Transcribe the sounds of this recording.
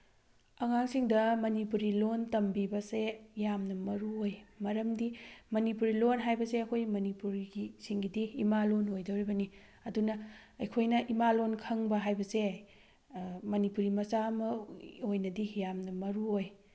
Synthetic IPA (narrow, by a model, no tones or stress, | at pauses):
ɐŋaŋsiŋdɐmɐnipuɾilontɐmbibɐsejamnɐmɐɾuojmɐɾɐmdimɐnipuɾilonɦajbɐseɐkʰojmɐnipuɾiɡisiŋɡidiːmalonojdɐwɾibɐni | ɐdunɐɐjkʰojnɐʔimalonkʰɐŋbɐɦajbɐse | mɐnipuɾimɐsamɐojnɐdijamnɐmɐɾuoj